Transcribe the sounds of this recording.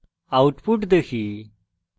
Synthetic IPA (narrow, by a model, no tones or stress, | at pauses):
auʈpuʈd̪ekʰi